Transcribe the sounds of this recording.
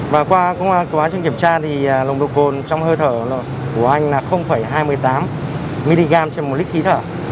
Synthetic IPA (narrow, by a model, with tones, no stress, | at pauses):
vaː˨˩kwaː˧kə˧wŋ͡mʔaː˧kə˨˦waː˨˦t͡ɕɨ˧ŋki˧˩əmt͡ɕaː˧t̪ʰi˨˩əː˨˩lə˨˩ŋ͡mɗə˨˩w̚ko˨˩nt͡ɕɔ˧wŋ͡mhəː˧t̪ʰəː˧˩˨ | ku˧˩əʔa˧jŋ̟naː˨˩xə˧wŋ͡mfə˧˩jɦaː˧jmɨ˧˩əjt̪aː˨˦m | mi˧li˧ɣaː˧mt͡ɕe˧nm˨˩t̚li˦˥k̚xʰi˨˦t̪ʰəː˧˩